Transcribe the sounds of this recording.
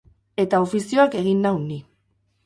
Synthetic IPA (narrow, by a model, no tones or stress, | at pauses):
e̞t̪ao̞fisio̞ake̞ɣinːawni